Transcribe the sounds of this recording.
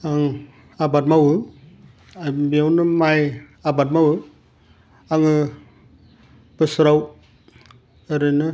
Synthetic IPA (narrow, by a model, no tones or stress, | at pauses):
aŋ | abat̚mawɯ | abiawnɯmaj | abat̚mawɯ | aŋɯ | b̥ɯsɾaw | eɾɯnɯ